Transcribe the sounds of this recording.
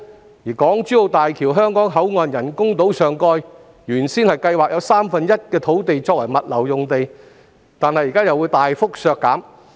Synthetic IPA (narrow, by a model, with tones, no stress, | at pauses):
jiː˨˩kɔː˨˥ŋt͡ʃyː˨˥jo˨˧wt̪aː˨jkʰiː˨˩wɦœː˥ŋkɔː˨˥ŋɦɐ˨˥wŋɔː˨˧njɐ˨˩nkʊ˥ŋt̪o˨˥wsœː˨˩ŋkɔː˧j | jyː˨˩nsiː˥nhɐ˨jkɐ˧jwaː˨˩k̚jɐ˨˧wsaː˥mfɐ˨njɐ˥t̚kɛː˧t̪ʰo˨˥wt̪e˨jt͡sɔː˧k̚wɐ̰˨˩jmɐ˨t̚lɐ˨˩wjʊ˨ŋt̪e˨j | t̪aː˨nhɐ˨jiː˨˩kaː˥jɐ˨wːu˨˧jt̪aː˨jfʊ˥k̚sœː˨˧kːaː˨˥m